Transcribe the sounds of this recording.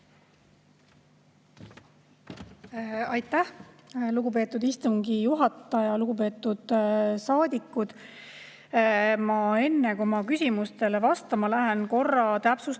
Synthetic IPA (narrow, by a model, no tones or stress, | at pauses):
ɑjt̪ːˑæh | luɡupe̞ːt̪ːˑud̪ist̪uŋɡ̥ijuɦɑt̪ːˑɑjɑluɡ̥upe̞ːt̪ːˑud̪̥sɑːd̪ikːˑud̪̥ | mɑe̞nːekumɑkysʲimust̪e̞levɑst̪ɑmɑlæɦe̞nko̞rːɑt̪æpsus